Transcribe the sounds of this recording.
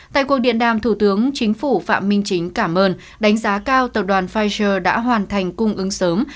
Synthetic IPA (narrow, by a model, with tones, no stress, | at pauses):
t̪a̰ː˧˨jku˨˩ək̚ɗḭ˧˨ənɗaː˧˩mt̪ʰu˧˩t̪ɨ˨˦əŋt͡ɕï˨˦ŋ̟fu˧˩fa̰ː˧˨mːï˧ŋ̟t͡ɕï˨˦ŋ̟kaː˧˩mʔəː˧n | ɗa˨˦ŋ̟zaː˨˦kaː˧wt̪ə˨˩p̚ɗwaː˨˩nfaː˧jzəː˧˩ɗa̰ː˧˥ɦwaː˨˩nt̪ʰa˨˩jŋ̟kʊ˧ŋ͡mʔɨ˨˦ŋsəː˨˦m